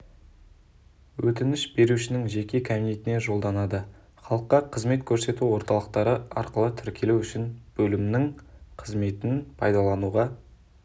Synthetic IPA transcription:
wɵt̪ɪnɪʃbe̞ɾuʃɪnɪŋʒe̞kʲe̞kʲʰabine̞t̪ɪne̞ʒo̞lˠd̪ɑnɑd̪ə | χɑlˠəqːɑqʰəzme̞t̪kʲʰɵɾse̞t̪uwo̞ɾt̪ɑlˠəq̚t̪ɑɾəɑ̰ɾqəlˠət̪ʰʏɾkʲe̞luwʏʃɪnb̥ɵlɪmnɪŋqʰəzme̞t̪ɪnpʰɑjd̪ɑlˠɑnuʁɑ

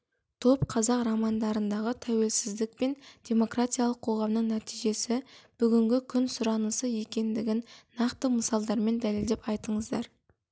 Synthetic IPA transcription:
t̪ʰo̞pqʰɑzɑqrɑmɑnd̪ɑɾənd̪ɑʁət̪ʰæwe̞lsɪzd̪ɪk̚pe̞nd̥̪ʲe̞mo̞krat̪ʲijɑlˠəqʰo̞ʁɑmnəɴnæt̪ijʒe̞sɪb̥ʏɡʲɪŋɡʲɪkʲʰʏnsʊɾɑnəsəje̞kʲe̞nd̪ɪɡʲɪnːɑqt̪əməsɑlˠd̪ɑɾme̞nd̪æle̞ld̪epɑjt̪əɴəzd̪ɑɾ

